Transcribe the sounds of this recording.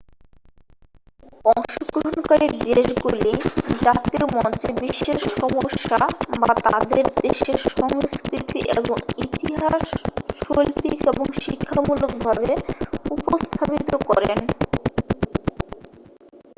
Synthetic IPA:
ɔŋʃoɡɾoɦonkaɾid̪eʃɡulid͡ʑat̪iomɔnt͡ɕebiʃːeɾʃʃɔmoʃːabat̪ad̪eɾd̪eʃeɾʃɔŋskɾit̪ḭʔeboŋit̪iɦaʃʃolpikeboŋʃikʰːamulukbʱabeupost̪ʰapit̪okɔɾeen

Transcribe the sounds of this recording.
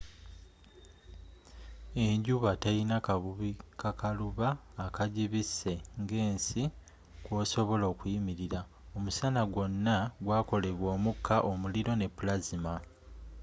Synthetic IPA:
e̞ɲɟuβateinakaβuβikakaluβaː | kaɟiβise̞ŋɡe̞ːnsi | kwoːso̞βo̞lo̞ːkujimiɾiɾa | o̞musanaɡwo̞nːaɡwaːko̞le̞βwo̞ːmukʰːaʔomuliɾo̞ne̞pːulazima

